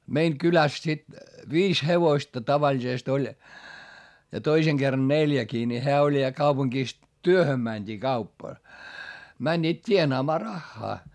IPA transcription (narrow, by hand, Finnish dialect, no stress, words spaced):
meiŋ kylæs sit ʋiːs heʋoĭstɑ tɑʋɑlʲisest olʲ jɑ toiseŋ ɡ̊erːɑn neljækiː ni heæ olʲ jɑ kɑupuŋkiˑs tyøhøm mænʲd̥iː kɑupː mænʲːiːt tʲienɑːmɑː rɑxːɑː